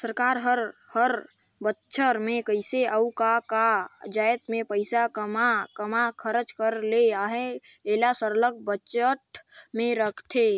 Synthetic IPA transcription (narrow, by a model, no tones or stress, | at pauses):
səɾkaɾɦəɾhəɾ | bətːʃʰəɾmekəɪseʔəukakad͡ʒajt̪mepəɪsakəmakəmakʰəɾət͡ʃkəɾleaɦeelasəɾləɡ̚bət͡ʃəʈmeɾəkʰt̪ʰe